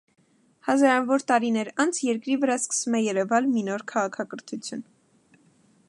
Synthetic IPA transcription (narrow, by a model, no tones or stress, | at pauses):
hɑzɑɾɑvɔɾt̪ɑɾinɛɾɑnt͡sʰjɛɾkɾivəɾɑskə̥svumɛjɛɾɛvɑlminɔɾkʰɑʁɑkʰɑkəɾt̪ʰut͡sʰjun